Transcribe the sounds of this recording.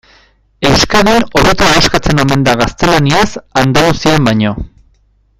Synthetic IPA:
e̞wskaðino̞ɾet̪aaskat͡se̞no̞me̞nd̪aɣ̞ast̪e̞laniasand̪alusiambajɲo̞

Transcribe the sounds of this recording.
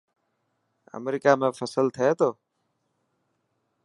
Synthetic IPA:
ə̰mɾiːkaːmẽːfʰəsəlt̪ʰəeːt̪oː

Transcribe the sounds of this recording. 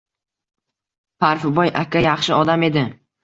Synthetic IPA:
pʰaɾfɪbɒjʔakʰʲajɑχʃɪɒd̪ame̞d̪ɪ

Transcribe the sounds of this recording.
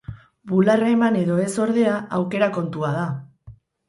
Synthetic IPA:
bularemane̞ðo̞e̞so̞ɾðe̞aʔawke̞ɾako̞nt̪uað̞a

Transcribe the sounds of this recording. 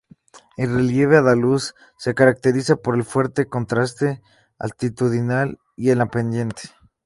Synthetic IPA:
e̞lre̞lje̞β̞eaðalusː | e̞kaɾak̚t̪e̞ɾisapo̞ɾe̞lfwe̞ɾt̪e̞ko̞nt̪ɾast̪e̞ | a̰lt̪it̪uðinal | ie̞lampe̞nd̪je̞nt̪e̥

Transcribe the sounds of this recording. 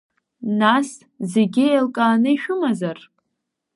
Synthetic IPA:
nas | zeɡʲɪelkʼaːnɨiʃᶣʊmazar

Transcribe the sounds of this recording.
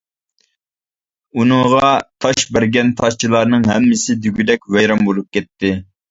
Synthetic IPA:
unɨŋʁɑt̪ʰɑʃbæɾɡʲɛnt̪ʰɑʃt͡ʃʰilˠɑɾnɨŋɦɛmːɪsɪd̪yɡʲyd̪ɛkʲwɛjɾɑmbolˠup̚kʲɛt̪ʰːɪ

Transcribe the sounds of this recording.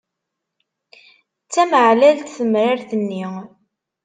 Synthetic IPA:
t͡sːæməʕlælt̪θəmɾaɾθənːi

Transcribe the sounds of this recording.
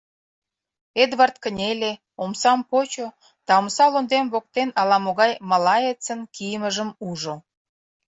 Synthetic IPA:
ed̪βɑrt̪̚kənʲelʲe | omsɑmpot͡ɕo | t̪ɑmsɑlond̪emβok̚t̪enɑlɑmoɣɑjmɑlɑjet͡sənkijəməʒəmuʒo

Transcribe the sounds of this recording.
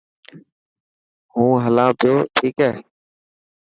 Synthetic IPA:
hũːɦəlãːt̪ʰɪjoːʈʰiːkɛː

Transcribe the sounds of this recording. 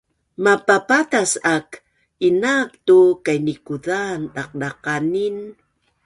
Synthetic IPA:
mapapatasak | inaptukajnikuðanaq̚daqanin

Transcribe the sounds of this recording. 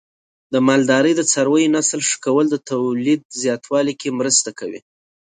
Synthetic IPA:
d̪əmɑld̪ɑɾəjd̪ət͡saɾwəjonaslʂə̥kawəld̪ət̪awlid̪̚zjɑt̪ʰwɑlikemɾəst̪akawḭ

